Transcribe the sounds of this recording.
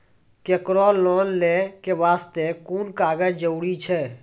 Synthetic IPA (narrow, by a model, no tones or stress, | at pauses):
kekɾɔːlːɔːnlẽkeʋaːst̪ekuːnkaːɡəd͡ʒd͡ʒəuɽit͡ʃʰɛː